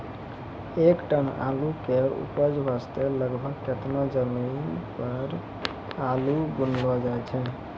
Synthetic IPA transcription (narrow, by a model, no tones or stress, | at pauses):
ekʈəna̰lukeɾṵpəd͡ʒbʱast̪eləɡbʱəɡket̪nad͡ʒəminpəɾ | alubunlɔd͡ʒaɛt͡ʃʰɛ